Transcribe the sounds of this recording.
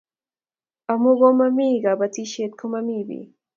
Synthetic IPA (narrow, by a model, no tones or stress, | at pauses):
amoɣomamiːɢɑbat͡s̪iʃet̪̚kʰomamibḭ